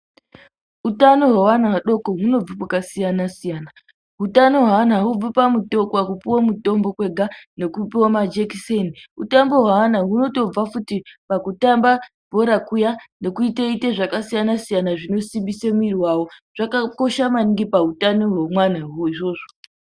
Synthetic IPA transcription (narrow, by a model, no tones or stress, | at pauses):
utano̞ɦwawanawaɗo̞koɦuno̞b͡vupakasijanasijaːna | ɦutanoɦwaanaɦub͡vupamuto̞kwakupiwamuto̞mbo̞kwe̞ɡʱane̞kupiwamad͡ʒekiseniṵtambo̞ɦwawanaɦuno̞to̞b͡vafutipakutamba | bʱo̞ɾakujane̞kuiteiteʐakasijanasijanaʐino̞simbisemuirwawo̞ʐ̥akako̞ʃamaniŋɡipautano̞ɦwemwanawoiʐo̞ːʐo